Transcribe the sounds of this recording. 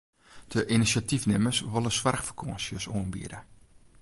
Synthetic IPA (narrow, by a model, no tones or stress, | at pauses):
d̥əʔinisatifnɪməsʋolˠəsʋarxfərkʰoːnsjəsoənbḭəɾə